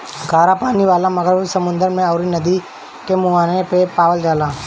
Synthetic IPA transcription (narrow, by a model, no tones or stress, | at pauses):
ɡaːɾapaːniʋaːlãmɐɡəɾbsəmʊ̃nd̪əɾmẽɔːɾinɐd̪i | kemʊaːnepepaːʋəld͡ʒaːlãː